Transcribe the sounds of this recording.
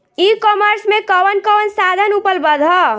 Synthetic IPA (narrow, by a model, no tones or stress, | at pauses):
ikɔməɾsmẽkəwənkəwənsad̪ʱənupəlbəd̪ʱɦɔ